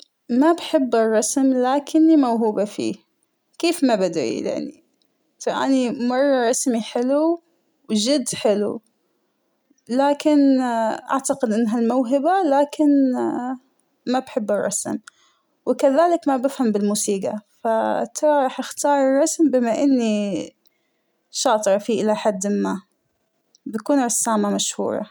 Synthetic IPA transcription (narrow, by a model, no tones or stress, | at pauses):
mabħɪbːɪrˤːɑsmlaːkʰɪnːimawɦuːbafḭː | keːfmabad̪ɾḭja̰ʕnḭ | taʔa̰nimɑrˤːɑɾˤɑsmiħɪlu | wd͡ʒɪd̪ːħɪlṵ | laːkɪnʔa̰ʕt̪aqɪd̪ʔɪnːɦalmawɦɪbalaːkɪn | mabħɪbːɪrˤːɑ̰sm | wɪkaðaːlɪkmabɪfhambɪlmuːsiːɡa̰fat̪ʰɑɾˤɑɾˤɑːħʔɪxt̪ɑːɾˤrˤːɑsmbɪmaʔɪnːi | ʃɑːt̪ˤɾˤɑfiʔɪlaħad̪ːɪmːa | bakuːnɾɑsːaːmamaʃhṵːɾˤɑ̰